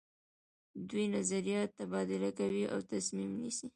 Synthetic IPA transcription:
d̪ujnazaɾijɑt̪ːabɑd̪ɪlakawiʔa̰wt̪asmimnisi

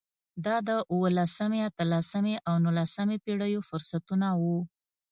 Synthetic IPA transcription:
d̪ɑd̪əʔuwəlasəmeat̪əlasəmeʔawnulasəmepeɽəjofʊɾsat̪unawu

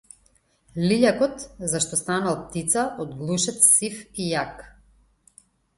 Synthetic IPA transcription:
liʎakɔt̪zaʃt̪ɔst̪analˠp̚t̪it̪saʔɔd̪ɡlˠuʃɛt̪ssifijak

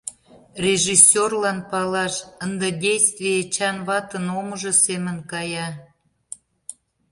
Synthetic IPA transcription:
rʲeʒisʲːorlɑnpɑlɑʃənd̪edʲejst̪vʲijet͡ɕɑnβɑt̪ənoməʒɤ̆semənkɑjɑ

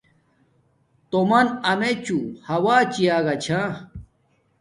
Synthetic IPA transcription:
t̪omɐnɐmet͡ɕuhɐwaːt͡ɕijaːɡat͡ɕʰã

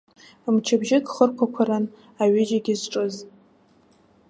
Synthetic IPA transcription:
mt͡ʃʰabʒɪkχərkʷʰakʷʰaɾan | aɥɪd͡ʒaɡʲɪzʈ͡ʂʼɨz

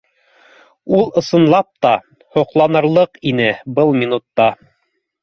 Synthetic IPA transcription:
ulˠɤ̆sɤ̆nlˠɑp̚t̪ɑ | hŏqlˠɑnɤ̆ɾlˠɤqinɘbɤlˠmʲinut̪ːɑ

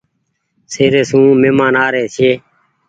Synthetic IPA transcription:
seːɾeːsũːmeːmãːnaːɾeːsʰeː

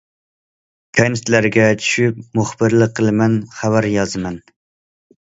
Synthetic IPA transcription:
kʲʰɑnɪst̪læɾɡʲɛt͡ʃʰy̥ʃyp̚muχb̥ɨɾlˠɨqʰːəlˠɨmɛnχævæɾjɑzɨmɛn

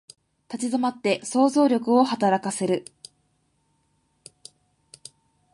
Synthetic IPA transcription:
t̪at͡ɕizomat̪ːe̞so̞ːzo̞ːɾʲo̞kɯ̟o̞hat̪aɾakase̞ɾɯ̟

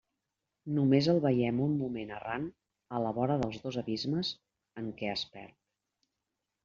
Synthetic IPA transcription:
numezəlˠβəjɛmumːumenəran | ələβɔɾəðəlˠzðozəβizməz | əŋkɛəspɛ̰ɾt̪̚

